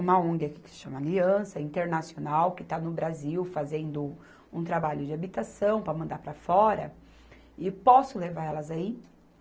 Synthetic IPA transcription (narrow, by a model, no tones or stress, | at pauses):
ũmɐõɡɪɐki̥kɪ̥sɪ̥ʃɐ̃mɐliɐ̃sɐĩnt̪eɾnasionawkɪt̪anʊbɾaziwfazẽnd̪ʊ | ũt̪ɾabaʎʊd͡ʒɪabit̪asɐ̃w̃pɾɐmɐ̃nd̪aɾpɾɐfɔɾɐ | ɪpɔsʊlevaɾɛlɐzai